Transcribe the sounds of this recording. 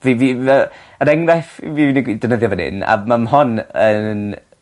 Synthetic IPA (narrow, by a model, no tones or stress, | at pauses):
viviə | əɾɛŋrɛfviviniɡidənəðjɔvɛnɪ̰na̰mamɦɔnən